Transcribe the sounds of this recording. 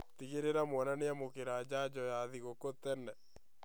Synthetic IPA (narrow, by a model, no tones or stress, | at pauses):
t̪iɣeɾeɾamwɔnaneamokiɾaːd͡ʒaːd͡ʒɔjaːðiɣokːot̪ɛnːɛ